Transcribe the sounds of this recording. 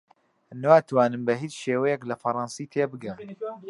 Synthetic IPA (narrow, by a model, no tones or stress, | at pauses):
nwaːt̪ʰwaːnɨmbɐɦiːt͡ʃʃeːwɛjɛklɐfɐɾˤɑnsiːt̪ʰeːbɨɡɐ